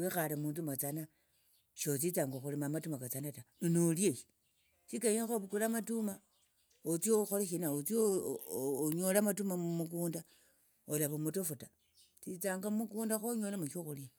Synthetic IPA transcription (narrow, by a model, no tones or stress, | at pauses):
wexalemuːnt͡sumat͡sana | ʃot͡sit͡saŋɡaxulemamatumakat͡sanataninoljeʃi̥ | sikaɲexoβukulamatuma | ot͡sioxoleʃinaot͡sio | ɲolamatumammuk̬uːnda | olaβomutofuta | t͡sit͡saːŋɡamukuːndaxoɲolamuʃoxulja